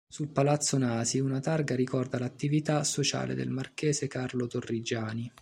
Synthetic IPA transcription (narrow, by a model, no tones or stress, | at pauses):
sulpalat̪sːonaːziunat̪arɡaɾikɔrd̪alat̪ːivit̪asot͡ʃa̰ːlḛd̪ḛlmarkɛːzekarlot̪orːid͡ʒːaːni